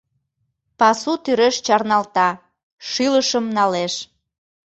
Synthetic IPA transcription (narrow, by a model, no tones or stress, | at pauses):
pɑsut̪yɾeʃt͡ɕɑrnɑlt̪ɑ | ʃiləʃəmnɑleʃ